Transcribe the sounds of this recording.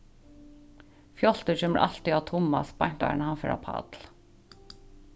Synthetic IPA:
fjɔlt̪əçʏmə̰ɾʔɑlt̪iɑːt̪ʰʊmɑ̰spɑɲt̪ɑ̰nhɑnfœ̰ɹʔɑ̰ːpʰɑ̰ːd̪̥l

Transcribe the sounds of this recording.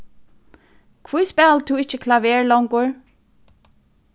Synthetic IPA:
kʰvujspɛːlt̪ʰuɪht͡ɕɪkʰlavɛːɹlɔwŋkʊɹ

